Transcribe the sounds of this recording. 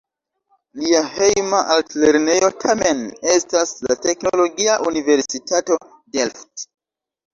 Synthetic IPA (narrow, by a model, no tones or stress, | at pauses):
liahejmaʔaltle̞ɾne̞jo̞tʰame̞ne̞staslate̞kno̞lo̞ɡiaʔunive̞ɾsitato̞ | delft